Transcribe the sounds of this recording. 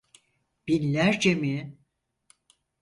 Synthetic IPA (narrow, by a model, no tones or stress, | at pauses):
b̥inlʲæɾd͡ʒemi